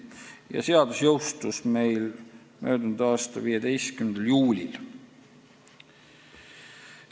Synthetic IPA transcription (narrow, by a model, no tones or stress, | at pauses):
jɑ̰se̞ɑd̪usjo̞wst̪usme̞jl | møːd̪̥unud̪̥ɑːst̪ɑviːed̪e̞jst̪kymend̪̥ɑljuːlʲil